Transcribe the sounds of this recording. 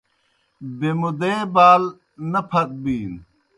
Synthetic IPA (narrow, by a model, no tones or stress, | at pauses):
bemud̪eːbaːl | nɐpʰɐk̚biːn